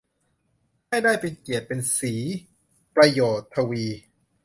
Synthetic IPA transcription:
a˥˩jdaː˥˩jpe˧nki˨˩ət̪̚pe˧nsiː˩˦ | pɾa˧joː˨˩t̪ʰːa˧wiː˧

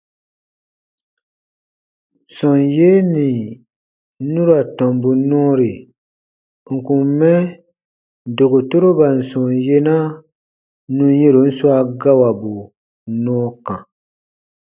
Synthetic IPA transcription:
sɔ˨nje˦ni˨˦ | nũ˦ɾa˨tɔ˨mbu˨nɔ̃ː˦ɾi˨ | ŋ̩˨kũ˨m˦mɛ˦˨ | do˨ɡo˨to˦ɾo˦ba˨n̩˨sɔ̃˨nje˦na˦ | nũ˦je˦ɾo˨n̩˦swa˦ɡa˦wa˨bu˨˦ | nɔ̃ː˦kã˨

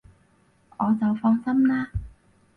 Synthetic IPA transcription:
ʔɔː˨˧t͡sa˨˩wfɔː˧ŋsɐ˥mnaː˧˥

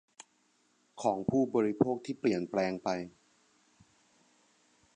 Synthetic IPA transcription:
kʰɔː˩˦ŋpʰuː˥˩bɔː˧ɾi˦pʰoː˥˩k̚t̪ʰiː˥˩pli˨˩ənplɛː˧ŋpa˧j

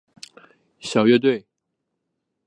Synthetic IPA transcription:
ɕjɑ˨˩ʊɥɛ˥˧t̪we˥˩ɪ

